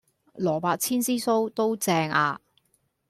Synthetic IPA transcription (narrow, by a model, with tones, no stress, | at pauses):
lɔː˨˩paː˧k̚t͡sʰiː˥nsiː˥so˥wt̪o˥wt͡sɛː˧ŋaː˧